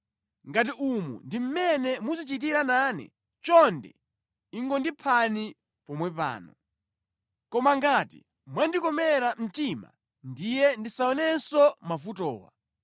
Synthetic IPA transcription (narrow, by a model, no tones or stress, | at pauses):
ŋɡat̬iumṵndim̩mɛnɛmuzit͡ʃit̬iɾanaːnɛ̰ | t͡ʃɔndɛ̰ | iŋɡɔndipʰani | pɔmwɛpa̰ːnɔ | kɔmaŋɡatḭ | mwandikɔmɛɾam̩tima̰ | ndijɛndisaɔnɛsɔmafutɔ̰ːwa̰